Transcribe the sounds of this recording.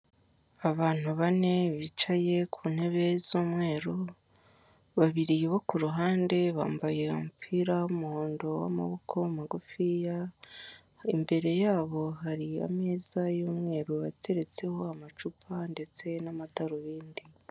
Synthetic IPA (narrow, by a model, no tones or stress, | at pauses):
aβaːn̥uβane̞βit͡ʃaje̞kʰuːn̥he̞βezuːmŋe̞ːɾo | βaβiɾiβo̞kuɾuɦaːnde̞βa̰ːmbaje̞ṵmupʰiɾaumuhoːndo̞wa̰ma̰βokʰo̞maɡufija | imbe̞ɾe̞jaːβo̞ɦaɾia̰meːzajuːmŋe̞ːɾoβatʰe̞ɾe̞t͡se̞ho̞amat͡ʃupʰande̞t͡se̞namataɾoβiːndi